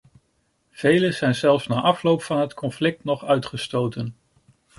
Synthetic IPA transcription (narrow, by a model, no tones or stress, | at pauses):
v̥ejləz̥ɛjnzɛlˠfsnaːʔɑflowpfɑnɦətkʰɔnflɪk̚tnɔχœɥtχəstowtən